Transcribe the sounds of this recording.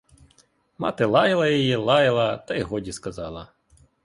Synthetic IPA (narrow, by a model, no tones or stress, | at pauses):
mɑ̰t̪ɪlˠɑjɪlˠɐjɔjilˠɑjɪlˠɐt̪ɐjɦɔdʲiskɐzɑlˠɐ